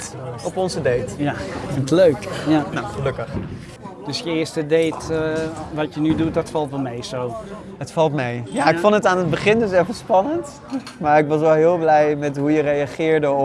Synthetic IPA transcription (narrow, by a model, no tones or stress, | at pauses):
ɔpɔnzədejtjafɪntəløɥkjanowχəløkəχ | d̥ɵsjəɪəɹstədejt | ʋɑtjənydut̚dɔtfɑlˠtʋɛlˠmejsow | ɦətfɑlˠtmejjaɪkfondətaːnəd̚bəχɪndøsɛfəspɑnənt | maːɹɪkʋɑs̬ʋɛlˠɦɪːlˠblɛjmɛtɦujərejaχɪːɹdə